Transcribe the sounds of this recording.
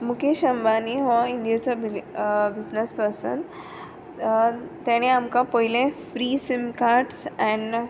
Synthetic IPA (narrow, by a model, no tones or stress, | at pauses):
mukeɕəmbaniɦɔiɳɖijat͡sabbid͡znəspəɾsə̰n | t̪aɽ̃ẽamkãpəɦilẽfɾiːsimkaɾɖsɛ̃n